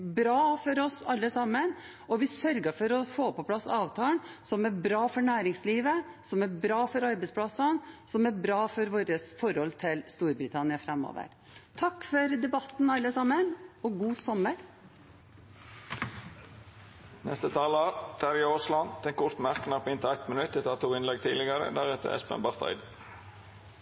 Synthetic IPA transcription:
bɾɑːfɔɾɔsɑlːəsɑmːən | ɔʋɪsœɾɡəfɔɾɔfoːpɔpʰlɑsɑːʋt̪ʰɑːn | sɔmæɾbɾɑːfɔɳæːɾɪŋsliːʋəsɔmæɾbɾɑːfɔɾɑɾbɛɪspʰlɑsɑnsɔmæbɾɑːfɔɾʋoːɾəsfɔɾhɔlt̪ʰɪlst̪uːɾbɾɪt̪ʰɑnɪɑfɾɛmːo̰ːʋə̰ɾ | t̪ʰɑkːfɔɾd̪ɛbɑt̪n̩ɑlːəsɑmːənɔɡuːsɔməɾ | nɛ̰st̪ət̪ʰɑːlɑt̪ʰæɾɪoːslɑnd̪̥ɛnkʰʊɾt̪mæʁkənɑːpɪnt̪əæɪt̪mənʉt̪ːət̪ʰɑːt̪ʰuːɪnlɛɡ̚t̪ʰiːlɪɡəɾə̰d̪æʁɛt̪ə̰ɛ̰spɛ̰mbɑʁt̪ʰɑ̰ɪd̪

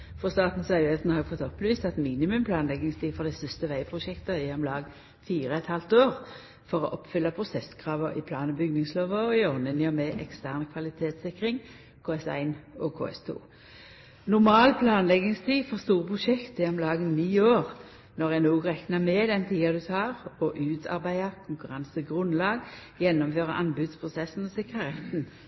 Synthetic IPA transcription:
fɔst̪ɑːt̪n̩sɑʉhɛt̪nhɑfɔt̪ːɔpːliːst̪ɑt̪miːnɪmʉmpʰlɑːnlɛɡɪŋst̪ʰiːfɔʁd̪ɛst̪ʏst̪əʋæɪpʰʁʊʃɛkt̪əɛɔmlɑːɡ | fiːɾəɛt̪hɑlt̪oːʁ | fɔʁɔʔɔpːfʏlːɑpʰʁʊsɛskʰʁɑːʋəʁɪ̰pʰlɑːnəbʏɡnɪŋsloːʋəɔɪɔnːənɪɔmeʔɛkst̪æːʁnkʰʋɑlɪt̪ʰeːt̪sɪkʁɪŋ | kʰoːɛsæ̰ɪnɔkʰo̰ːɛ̰st̪ʰṵː | nʊʁmɑːlpʰlɑːnlɛɡnɪŋst̪ʰiːfɔʁst̪uːʁəpʰʁʊʃɛkt̪ɛɔmlɑːɡənniːoːʁ | nɔʁɛnoːɡʁɛknɑmɛd̪ɛnt̪ʰiːɑd̪ʉt̪ʰɑːʁɔʔʉːt̪ʰɑ̰ʁbæɪɑkʰʊŋkʉʁɑnsəɡʁʉnlɑːɡjɛnːɔmføːʁɑ̰ʔɑnbʉːd̪spʰʁʊsɛsn̩ɔsɪkʁəʁɛt̪ːn̩

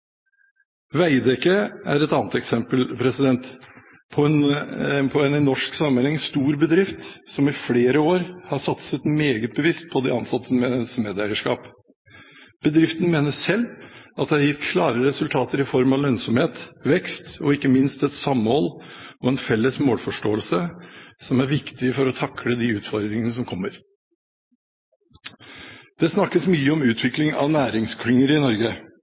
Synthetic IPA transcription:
ʋæɪd̪ɛkːəæɾɛt̪ɑːnət̪ɛksɛmpəlpʰɾɛsɪd̪ɛnt̪ | pʰɔɛnpʰɔɛnɪnɔʂksɑmːənhɛŋst̪uːɾbəd̪ɾɪft̪sɔmɪfɽeːɾəoːɾhɑʂɑt̪sət̪meːɡət̪̚bəʋɪst̪̚pʰɔd̪ɛ̰ɑnsɑt̪ʰːəmɛsmeːd̪æɪəʂkɑːp | b̥əd̪ɾɪft̪ən̩meːnəʂɛlːɑt̪̚d̪ɛhɑɾjɪft̪kʰlɑːɾəɾɛsʉlt̪ʰɑːt̪əɾɪfɔɾmɑʋlœnsɔmheːt̪ʋɛkst̪ɔɪkːəmɪnst̪ɛt̪sɑmːəɔlːɔɛnfɛlːəsmoːlfɔʂʈoːəlsəsɔmæɾʋɪkt̪ɪfɔɾɔt̪ʰɑkɽəd̪iʉːt̪fɔɾd̪ɾɪŋənəs̬ɔmkʰɔmːəɾ | d̪̥ɛsnɑkːəsmyːəɔmʉːt̪ʰʋɪklɪŋɑ̰ʋnæːɾɪŋskʰɾʏŋːəɾɪnɔɾɡə

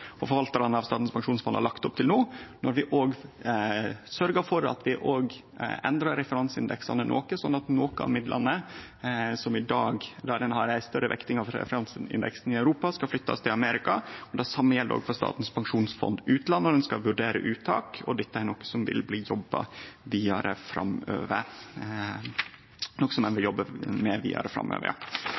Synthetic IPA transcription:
ɔfɔɾʋɑlt̪ɑɾɑnəɑʋst̪ɑːt̪n̩spʰɑŋʂuːnsfɔnd̪hɑ̰lɑkt̪ʊp̚t̪ʰɪlnoːnɔɾʋɪʔoːɡ | sœɾɡəɾfɔɾɑ̰t̪ʋɪʔoːɡ | ɛ̰nd̪ɾɑɾɾɛfəɾɑnsɪnd̪ɛksɑ̰nənʔo̰ːkəsɔnːɑt̪noːkəɑ̰ʋmɪd̪lʔɑ̰nːə | sɔmɪd̪ɑːɡd̪ɑd̪ɛnhɑɾæɪst̪œɾːəʋɛ̰kt̪ɪŋɑʋɾɛ̰fəɾɑnsɪ̰nd̪ɛ̰ksn̩ɪœʉɾuːpɑskɑflʏt̪ːɑ̰st̪ʰɪlɑmeːɾɪkɑɔd̪ɑsɑmːəjɛldəɾo̰ːɡfɔst̪ɑ̰ːt̪n̩spʰɑŋʂuːnsfɔ̰nd̪ʉːt̪lɑnːəɔd̪ɛnskɑʋʉɖeːɾə̰ʔʉːt̪ʰɑːkɔd̪ɛt̪ːəæɾɳɔkːə̥sɔmʋɪ̰lbliːjɔbːɑ̰ʋiːɑɾʔəfɾʔɑ̰mø̰ːʋəɾ | nɔkːə̥sɔmd̪ɛnʋɪljɔbːəmɛʋḭːɑ̰ɾəfɾɑ̰mø̰ːʋə̰ɾɑ̰

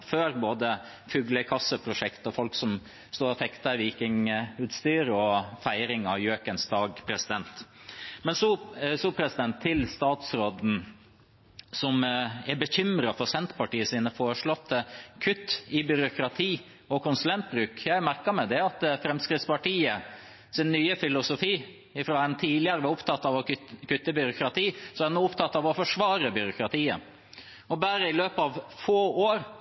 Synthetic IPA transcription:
føːɾboːd̪ə | fʉɡləkʰɑsːəpʰɾʊʂɛkt̪ɔfɔlksɔm | st̪oːɾɔfɛkt̪əʋiːkɪŋʉːt̪st̪yːɾəɔfæɪɾɪŋɑʋjøːkənsd̪ɑːɡpʰɾɛsɪd̪ɛnt̪mɛnsɔsɔpʰɾɛsɪd̪ɛnt̪ʰːɪlst̪ɑːt̪sɾoːd̪n̩ | sɔmɛbəçʏmɾɑfɔɾsɛnt̪pɑʈiːəsiːnəfoːɾəʂɭɔt̪ʰːəkʰʉt̪ːɪbʏɾʊkɾɑt̪ʰiː | ɔkʰʊnsʉlɛnt̪̚bɾʉːkjæɪmæɾkəmɛd̪ɛɑt̪fɾɛmskɾɪt̪spɑʈiːə | sɪnːyːəfɪlʊsʊfiː | ɪfɾɑːɛnt̪ʰiːlɪəɾəʋɑʊpt̪ʰɑt̪ːɑʋɔkʉt̪ːəbʏɾʊkɾɑt̪iːsɔɛnuːʊpt̪ʰɑt̪ːɑːʋɔfɔʂʋɑːɾəbʏɾʊkɾɑt̪ʰiːə̰ | ɔbæːɾəɪløːpəɑʋfoːoːɾ

